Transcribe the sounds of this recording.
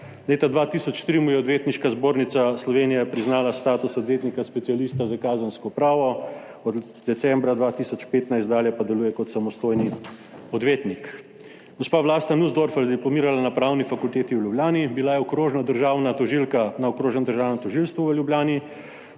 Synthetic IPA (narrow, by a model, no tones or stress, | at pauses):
leːt̪ad̪ʋaːt̪isɔt͡ʃt̪ɾimujɛɔd̪ʋeːt̪niʃkazboːɾnit̪saslɔʋeːnijɛpɾiznaːlast̪aːt̪usɔd̪ʋeːt̪nikaspɛtsialiːst̪azakaːzənskɔpɾaːʋɔ | ɔd̪ | d̪ɛt̪sɛmbɾad̪ʋaːt̪isɔt͡ʃpeːt̪najst̪d̪aːljɛpad̪ɛluːjɛkɔt̪samɔst̪oːjni | ɔd̪ʋeːt̪nik | ɡ̥ɔspaːʋlaːst̪anuzd̪oɾfɛld̪iplɔmiːɾalanapɾaːwnifakult̪eːt̪iwljubljaːnibilajɛɔkɾoːʒnad̪əɾʒaːwnat̪ɔʒilkanaɔkɾoːʒɛnd̪əɾʒaːwnəmt̪ɔʒilst̪ʋuʋəljubljaːni